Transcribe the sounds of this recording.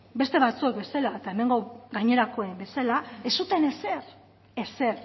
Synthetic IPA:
be̞st̪e̞βat͡sue̞kbe̞salaet̪ae̞me̞ŋɡo̞ɡajɲe̞ɾako̞embe̞salae̞sut̪e̞neser | ese̞r

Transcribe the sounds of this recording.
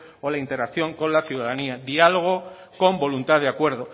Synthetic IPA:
olaint̪e̞ɾakθjo̞ŋkõ̞nlaθjuðaðaniaðialoɣ̞o̞ | ko̞mbo̞lunt̪aðeakwe̞ɾð̞o̞

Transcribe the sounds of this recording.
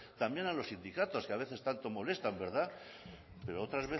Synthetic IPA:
t̪ambje̞nalosind̪ikat̪o̞skeaβ̞e̞θe̞st̪ant̪o̞mo̞le̞st̪ambe̞ɾða | pe̞ɾoot̪ɾazβe

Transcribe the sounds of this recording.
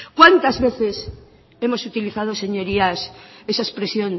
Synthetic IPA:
kwant̪azβeθes | emosut̪iliθað̞oseɲoɾiasesaespɾesjon

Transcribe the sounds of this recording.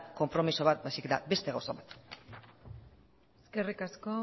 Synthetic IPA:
ko̞mpɾo̞miso̞β̞at̪̚bajsiket̪a̰be̞st̪e̞ɣawsoβat̪ | eskerikasko

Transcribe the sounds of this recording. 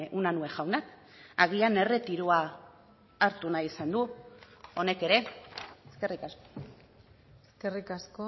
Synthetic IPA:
ʔunanue̞ʝawnak | aɣ̞iane̞re̞t̪iɾuaː | ɾt̪unajisand̪u | o̞ne̞ke̞ɾe̞eske̞rikasko | eskerikasko

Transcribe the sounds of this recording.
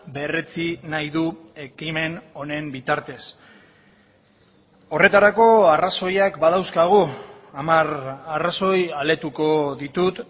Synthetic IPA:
be̞re̞t͡sinajðue̞kime̞no̞ne̞mbit̪aɾt̪e̞s | o̞re̞t̪aɾako̞araso̞jakbaðawskaɣ̞u | amararaso̞jale̞t̪uko̞ðit̪ut̪

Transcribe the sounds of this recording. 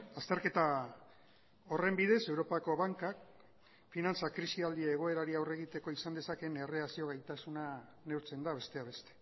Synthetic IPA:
ast̪e̞ɾke̞t̪a | o̞re̞mbiðe̞se̞wɾo̞pako̞βaŋkak̚ | finant͡sakɾisiald̪iaeɣ̞o̞e̞ɾaɾiawre̞ɣit̪e̞ko̞isand̪e̞sake̞ne̞re̞asio̞ɣajt̪asuna | ne̞wɾt͡se̞nd̪aβ̞e̞st̪e̞aβe̞st̪e̥

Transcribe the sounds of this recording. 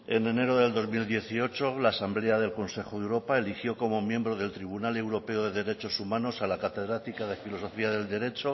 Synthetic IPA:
e̞ne̞ne̞ɾo̞ðe̞ld̪o̞zmild̪je̞θio̞t͡ʃolaːsambleaðe̞lko̞nse̞xoðewɾo̞pae̞lixjo̞ko̞mo̞mjẽ̞mbɾoðe̞lt̪ɾiβ̞unale̞wɾo̞pe̞oðe̞ðe̞ɾet͡ʃo̞sumãno̞salakat̪e̞ðɾat̪ikaðe̞filo̞so̞fiaðe̞ld̪e̞ɾe̞t͡ʃo̞

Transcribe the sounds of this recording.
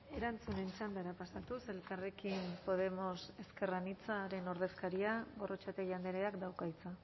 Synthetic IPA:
e̞ɾant͡sune̞nt͡ʃand̪aɾapasat̪use̞lkare̞kimpo̞ð̞e̞mo̞se̞ske̞ranit͡saɾe̞no̞ɾð̞e̞skaɾiaɣo̞rʔot͡ʃat̪eʝand̪eɾeakd̪awkajt͡sa

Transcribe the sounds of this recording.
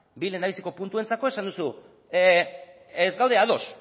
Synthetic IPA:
bile̞ndaβisiko̞punt̪ue̞nt͡sako̞e̞sand̪usu | ezɡawðe̞aðo̞s

